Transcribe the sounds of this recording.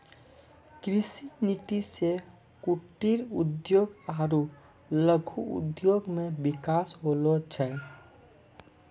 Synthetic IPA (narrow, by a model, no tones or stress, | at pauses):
kɾɪsinit̪ise | kuʈːiɾud̪joːɡaːɾu | ləɡʱuṵd̪joɡmẽbɪkasɦolot͡ʃʰɛ